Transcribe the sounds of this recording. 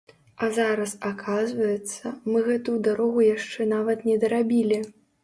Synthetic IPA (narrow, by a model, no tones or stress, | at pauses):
azaɾɐsakʰazvɐjɛt̪sːɐmɨɣɛt̪ud̪aɾɔɣujaʂt͡ʂɛnavɐt̪nʲɛd̪ɐɾabʲilʲi